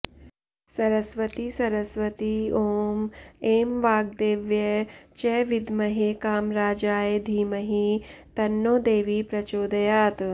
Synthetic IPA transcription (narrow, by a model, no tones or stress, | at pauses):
sɐɾɐsʋɐt̪iːsɐɾɐsʋɐt̪ioːmeːmʋaːɡ̚d̪eːʋjɐt͡ʃɛːʋid̪mɐɦekaːmɾaːd͡ʒaːjed̪ʱiːmɐɦit̪ɐnːoːd̪eːʋiːpɾɐt͡ʃoːd̪ɐjaːt̪